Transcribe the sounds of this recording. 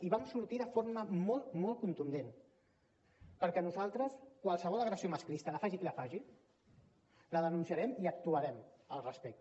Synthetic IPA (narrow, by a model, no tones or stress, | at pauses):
iβamsuɾt̪iðəfoɾməmɔlˠt̪mɔlˠkunt̪und̪en | pəɾkɛnuzalˠt̪ɾəskwalˠsəβɔlˠəɣɾəsioməsklist̪əlafaʒikilafaʒi | ləðənunsiaɾɛmiək̚t̪uəɾɛməlˠrəspɛk̚t̪